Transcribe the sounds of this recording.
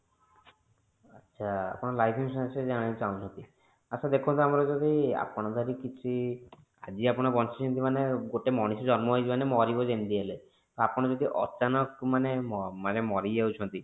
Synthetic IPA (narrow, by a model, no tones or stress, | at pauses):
atːt͡ʃʃʰaa̰pɔɽ̃ɔlajpʰimssd͡ʒaɽ̃it͡ʃaũt͡ʃʰɔnt̪i | aʃʰad̪ekʰɔ̃nt̪ɔamɔɾɔd͡ʒɔd̪ʱia̰pɔɽ̃ɔd̪ʱaɾikit͡ʃʰi | ad͡ʒiapɔɽ̃ɔbɔnsʰɔt͡ʃʰɔnt̪imaneɡoʈemɔɽ̃isɔd͡ʒɔɾmɔɦojt̪ʰimanemɔɾibɔd͡ʒend̪iele | t̪ɔapɔɽ̃ɔd͡ʒɔd̪ʱiʔɔ̰t͡ʃanɔkmaneɔmanemɔɾiawt͡ʃʰɔnt̪i